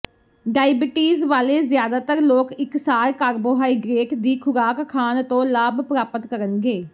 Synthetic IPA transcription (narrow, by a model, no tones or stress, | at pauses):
ɖaːɪbɪʈiːzʋaːleːzɪjaːd̪aːt̪əɾloːkɪksaːɾkaːɾboːɦaːiːɡɾeːʈd̪iːkʰʊɾaːkʰːaːnt̪õːlaːbpəɾaːpət̪kəɾənɡeː